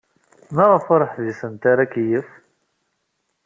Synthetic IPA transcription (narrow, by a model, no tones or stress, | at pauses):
mæʁəfoɾˤəħðisənt̪aɾakjəf